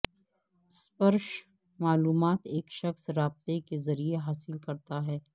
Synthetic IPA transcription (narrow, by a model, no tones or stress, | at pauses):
spɐɾʃ | maːluːmaːt̪eːkʃɐxsɾaːb̚t̪ekezɐɾieɦaːsɪlkɐɾt̪aɦɛː